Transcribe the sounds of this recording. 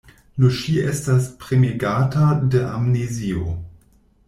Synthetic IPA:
nuʃiestaspɾemeɡaːtadeʔa̰mnezio̰

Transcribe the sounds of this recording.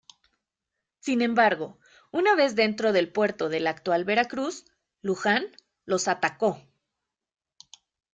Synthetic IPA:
sinẽ̞mbaɾɣo̞ | unaβe̞zðe̞nt̪ɾo̞ðe̞lpwe̞ɾt̪o̞ðe̞lakt̪walβe̞ɾakɾus | luxan | lo̞sat̪ako̞

